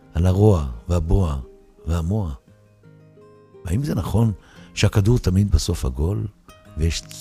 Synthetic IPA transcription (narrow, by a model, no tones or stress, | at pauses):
ʔalaʁo̞aveaboa | veamo̞a | aimzenaχo̞n | ʃeakaduʁt̪amid̪beso̞fha̰ɡo̞lvejeʃ